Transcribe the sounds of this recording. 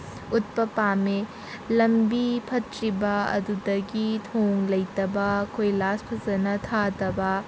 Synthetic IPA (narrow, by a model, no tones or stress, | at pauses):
ut̪̚pɐpame | lɐmbipʰɐtɾibɐɐ̰d̪udɐɡit̪ʰoŋlɐjt̪ɐbɐkʰojlaspʰɐzɐnɐt̪ʰat̪ɐbɐ